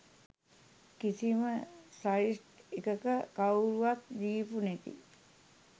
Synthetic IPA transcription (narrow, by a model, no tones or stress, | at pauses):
kisiməsaisʈikəkəkawɾuat̪̚d̪iːpunekḭ